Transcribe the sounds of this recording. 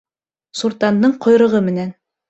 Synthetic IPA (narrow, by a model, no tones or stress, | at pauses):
suɾt̪ɑnd̪ɤɴqʰŏjɾɤ̆ʁɤmɘ̆næn